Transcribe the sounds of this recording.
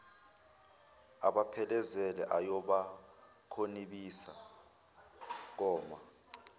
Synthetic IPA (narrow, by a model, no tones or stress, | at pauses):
a̰ɓapʰɛlɛzɛlɛʔajɔɓa | kʰoniɓisa | k̬ɔːma